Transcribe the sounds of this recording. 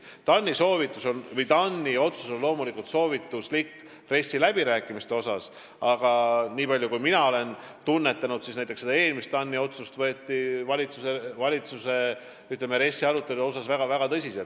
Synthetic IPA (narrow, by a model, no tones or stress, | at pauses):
t̪ɑnʲːiso̞ːvit̪ːˑuso̞nvɤjt̪ɑnʲːio̞t̪su̥so̞llo̞ːmulikult̪so̞ːvit̪ːˑuslikː | re̞sʲːilæb̥iɾæːkːˑimist̪e̞o̞sɑs | ɑɡ̥ɑniːpɑljukujminɑo̞le̞n | t̪unːe̞t̪ːˑɑnud̪̥sisnæjt̪ːˑese̥ɑe̞ːlmist̪ːɑnːio̞t̪sust̪vɤ̞et̪ːivɑlʲit̪suse̞vɑlʲit̪suse̞ | yt̪ːˑleme̞ɾe̞sʲːiɑɾut̪ːˑe̞luo̞sɑsvæɡ̥ɑvæɡ̥ɑt̪ɤsʲiselt̪